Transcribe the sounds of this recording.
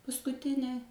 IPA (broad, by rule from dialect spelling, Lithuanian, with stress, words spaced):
pɐskʊˈtʲɪnʲeː